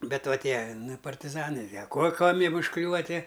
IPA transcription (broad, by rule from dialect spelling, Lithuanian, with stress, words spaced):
bʲɛ ˈʋɐ ˈtʲiɛ ˈnʊ ɪ pɐrʲtʲɪˈzɑːnɨ ɐ ˈkoː ˈkuɔmʲ ˈjiɛm ʊʃˈklʲuːʋɐ ˈtʲiɛ